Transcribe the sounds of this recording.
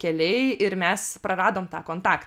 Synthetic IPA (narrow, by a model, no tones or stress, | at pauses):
kʲɛlʲɛɪɪɾmʲɛspɾɐɾɑːd̪oːmt̪ɑːkoːnt̪ɑːkt̪